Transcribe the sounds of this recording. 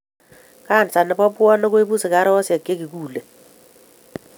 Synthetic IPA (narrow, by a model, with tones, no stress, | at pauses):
ka˦˨nt͡sa˨nːɪ˨pɔ˦pʊ˦ɔ˦nɔ˦k̬we˦bu˦sɪ˨ka˦ɾɪ˦wɔ˦sɛ˨kːe˦kɪ˨kuː˨lɛ˨